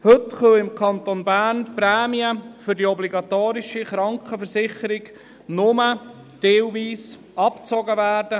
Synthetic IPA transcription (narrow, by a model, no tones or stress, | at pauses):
hɵtχœɪmkʰɑnt̪onbæːɾnpɾɛːmiəfʏɾdiɔbliɡɑt̪oːɾiʃiχɾɑŋkχəfəɾsɪχəɾɪɡ | nʊmə | teːwviːs | ɑpt͡sɔɡəvæːrdə